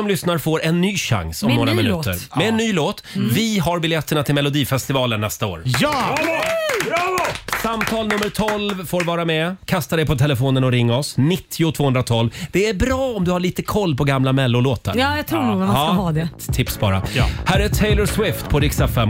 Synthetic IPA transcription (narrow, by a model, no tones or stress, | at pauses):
sɔmlʏsnaɾfoːɾɛnːyːɕa̰ŋsɔmmoːɾamɪnʉːt̪ə̰ɾmɛːnːyːloːt̪vɪɦaɾbɪljɛt̪ːəɳat̪ʰɪlmɛlʊd̪iːfɛst̪ɪvɑːlənːɛst̪ao̰ːɾj | samt̪ʰɑːlnɵmːəɾʈ̪ʰɔlvfoːɾvɑːɾamɛkʰast̪ad̪ɛjpʰɔt̪ʰɛlɛfoːnənɔɾɪŋːaɔsnɪt̪ʰːɪʊt̪ʰv̥oːɵnd̪ɾat̪ʰɔlvd̪ɛæɾbɾɑːɔmd̪ɵhaɭiːt̪əkʰɔlːpʰɔɡamlamɛlːʊloːt̪a̰ɾɑːjat̪ʰɾuːnuːɡmahɑːd̪ɛt̪ʰɪpsbɑ̰ːɾa̰hæːɾɛt̪ʰɛɪləɾswɪft̪pʰɔɾɪksafɛm